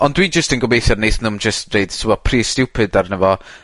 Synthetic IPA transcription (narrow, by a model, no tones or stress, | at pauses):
ɔndwid͡ʒəstənɡɔbejθjɔdnejθmɛnðʊmd͡ʒəstneɨd̥sʰubɔpʰriːstɪwpʰɨdarnəvɔ